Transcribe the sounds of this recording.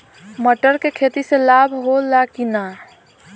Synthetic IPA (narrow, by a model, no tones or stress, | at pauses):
məʈəɾkekʰet̪iselabʱɦolakina